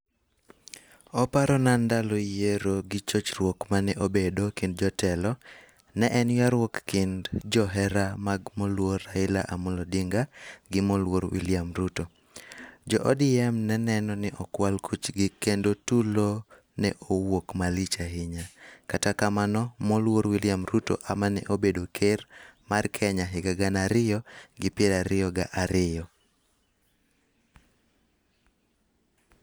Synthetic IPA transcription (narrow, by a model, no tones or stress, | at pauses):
ɔpaɾɔnandalɔjeɾoɡɪt͡ʃot͡ʃrwokmanɛʔobedokɪnd̚d͡ʒɔtɛlɔ | nɛʔɛnjaɾwokːɪndd͡ʒɔɦɛɾamaɡmɔlworaɪla̰ʔamʊlodɪŋɡaɡɪmɔlwoɾwḭljamɾuto | d͡ʒɔʔɔdɪɛmnɛnɛnɔnɪʔɔkwalkʰut͡ʃɡɪkendotulo | nɛ̰ʔowokmalit͡ʃaɦɪɲakatakamanɔmɔlwoɾwiljamɾuto̰ʔamanɛ̰ʔobedokʰermarkʰɛɲaɦɪɡaɡanaɾɪjɔɡɪpɪeɾaɾɪjɔɡaʔaɾɪjɔ